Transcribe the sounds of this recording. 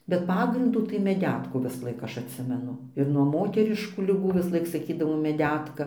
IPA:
bʲɛt ˈpɑːɡrʲɪnduː tɐɪ mʲɛˈdʲæːtkuː ʋʲɪsˈlˠɐɪk ˈɐʃ ɐtʲˈsʲɪmʲɛnʊ ɪr nuɔ ˈmoːtʲɛrʲɪʃkuː lʲɪˈɡuː ʋʲɪsˈlˠɐɪk sɐˈkʲiːdɐʋoː mʲɛˈdʲæːtkɐ

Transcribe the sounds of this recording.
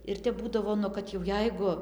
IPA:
ɪr ˈtʲɛp ˈbuːdɐʋoː nʊ ˈkɐt jɛʊ ˈjɛɪɡʊ

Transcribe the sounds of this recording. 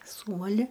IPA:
ˈsuːmɐlʲɪ

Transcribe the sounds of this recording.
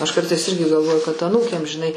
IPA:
ɐʃ ˈkɐrtɐɪs ˈɪrʲɡʲɪ ɡɐlˠˈʋoːjʊ kɐt ɐˈnuːkʲeːm ʒʲɪˈnɐɪ

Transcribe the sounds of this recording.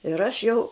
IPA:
ɪr ˈɐʃ jɛʊ

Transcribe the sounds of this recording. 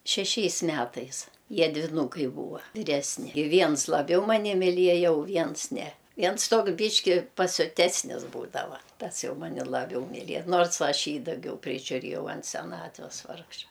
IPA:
ʃʲɛˈʃʲɛɪs ˈmʲætɐɪs ˈjiɛ dʲʋʲɪˈnuːkɐɪ ˈbuːʋɐ ʋʲɪˈrʲæːsʲnʲɪ ɪ ˈʋʲiɛns lˠɐˈbʲɛʊ mɐˈnʲɪ mʲɪˈlʲiɛjɛ ʊ ˈʋʲiɛns nʲɛ ˈʋʲiɛns ˈtoːks ˈbʲiːʃʲkʲɪ pɐsʲʊˈtʲæːsʲnʲɪs ˈbuːdɐʋɐ ˈtɐs ˈjɛʊ ˈmɑːnʲɪ lˠɐˈbʲɛʊ mʲɪˈlʲiɛ ˈnoːrs ˈɐʃ ˈjiː dɐˈɡʲɛʊ pʲrʲɪʒʲʊˈrʲeːjɛʊ ɐnt sʲɛˈnɑːtʲʋʲɛs ˈʋɐrkʃɐ

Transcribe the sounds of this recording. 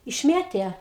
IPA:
ɪʃʲˈmʲeːtʲeː

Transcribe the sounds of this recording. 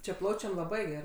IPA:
t͡ʃʲɛ ˈplˠɐʊt͡ʃʲɛm lˠɐˈbɐɪ ɡʲɛˈrɐɪ

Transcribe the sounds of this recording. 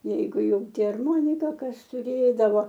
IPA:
ˈjɛɪɡʊ ˈjɛʊ ˈtʲɪ ɐrˈmoːnʲɪkɐ ˈkɐs tʊˈrʲeːdɐʋoː

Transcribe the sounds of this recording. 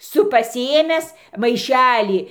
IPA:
ˈsʊ pɐsʲɪˈeːmʲæːs mɐɪˈʃʲæːlʲiː

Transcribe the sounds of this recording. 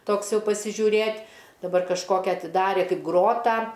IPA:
ˈtoːks ˈjɛʊ pɐsʲɪʒʲuːˈrʲeːtʲ dɐˈbɐr kɐʃˈkoːkʲɛ ɐtʲɪˈdɑːrʲeː ˈkɐɪp ˈɡroːtɑː

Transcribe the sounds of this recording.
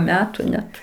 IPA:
ˈmʲæːtʊ ˈnʲɛt

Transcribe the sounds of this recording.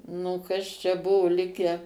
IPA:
ˈnʊ kɐs t͡ʃʲɛ ˈbʊʋʊ ˈlʲɪkʲæː

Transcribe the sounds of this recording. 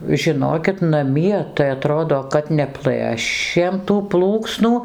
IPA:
ʒʲɪˈnoːkʲɪt nɐˈmʲiɛ tɐɪ ɐˈtroːdoː kɐt nʲɛˈplˠɘʃʲeːm tuː ˈplˠuːksnuː

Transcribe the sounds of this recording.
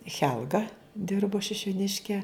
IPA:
ˈxʲɛlˠɡɐ ˈdʲɪrboː ʃʲɪʃʲʊˈnʲɪʃʲkʲɛ

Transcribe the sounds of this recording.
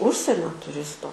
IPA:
ˈʊʃʲsʲiɛnʲoː tʊˈrʲɪstoː

